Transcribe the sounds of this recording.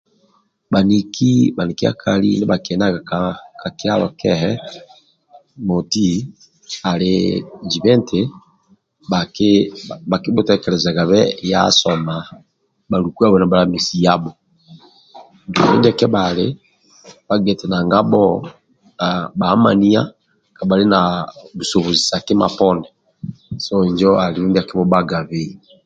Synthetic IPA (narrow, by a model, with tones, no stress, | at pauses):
ba˨ni˨ki˦ba˨ni˨ki˦a̰˦kʰa˨lḭ˦nɪ˦ba˨kɛ˨na˦ɡa˨kaka˨ki˦a˦lɔ˨kɛ˦ɦɛ˦ | mo˨ti˦ | a˨led͡ʒi˨βɛ˦nte | ba˨k | ba˨ki˦bo˦tɛkɛ˨ɾɛ˨za˨ɡa˨βɛ˦ja̰˦sɔ˨ma˨ | ba˨ɾuku˦a˦βɔna˨balamisi˨jabɔ | d͡ʒiβɛ̰˦nda˨kɛ˦bale | ba˦ɡɛ˨tɛ˨na˨ŋɡa˦bɔ | abama̰˨ni˦a̰˦ | ka˨ba˨le˦naβuso˨βo˨zi˨sa˨ke˦ma̰pɔndɛ | sɔɲd͡ʒɔaliɾu˦ndia˨ki˦βɔbaɡaβe